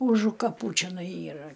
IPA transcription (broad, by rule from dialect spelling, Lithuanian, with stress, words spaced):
ˈʊʒʊ kɐˈpuː t͡ʃʲɛˈnɐɪ ˈiːrɐ